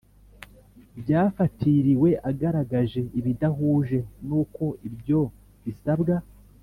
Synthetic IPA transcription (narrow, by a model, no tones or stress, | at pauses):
bjaːfatʰiɾiwe̞ʔaɡaɾaɡaʒe̞iβidaɦuːʒe̞nuːko̞ibjo̞ | βisabɡa